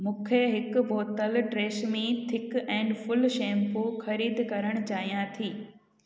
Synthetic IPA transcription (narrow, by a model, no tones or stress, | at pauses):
mũːkʰeɦɪkbʱoːt̪əlɖɾeːʃmẽt̪ʰɪkɛ̃ːɳɖfʊlʃẽːmpoxɐɾiːd̪kɐɾəɽ̃ʊt͡ɕaːɦijãt̪ʰiː